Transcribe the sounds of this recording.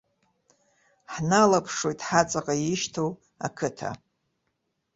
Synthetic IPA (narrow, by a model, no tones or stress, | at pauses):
ħnalapʰʂo̞jtʼħat͡sʼaqʼajɪʃtʰow | akʰɨtʰa̰